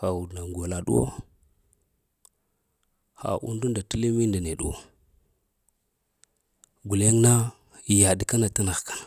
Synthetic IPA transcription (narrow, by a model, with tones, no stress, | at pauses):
xa˨wu˨dna˨ŋɡo˨la˨ɗṵ˦o̰˦ | xa̰˨ʔṵ˦ndu˦nda˨ti˦le˦mi˦nda˨ne˨ɗu˦o̰˨ | ɡu˨le˦ŋna˦˨ | ja˨di˨ka˦na˨ta˦na˨ɣka˨n˨